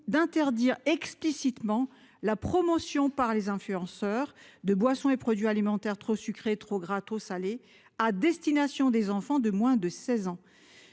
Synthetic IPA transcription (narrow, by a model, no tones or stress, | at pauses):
d̪ɛ̃t̪ɛʁd̪iʁɛksplisit̪mɑ̃ | lapχɔmɔsjɔ̃paʁlezɛ̃flyɑ̃sœːʁd̪əbwasɔ̃epχɔd̪ɥialimɑ̃t̪ɛʁt̪χosykχet̪χoɡʁat̪χosale | ad̪ɛst̪inasjɔ̃d̪ezɑ̃fɑ̃d̪əmwɛ̃d̪əsɛzɑ̃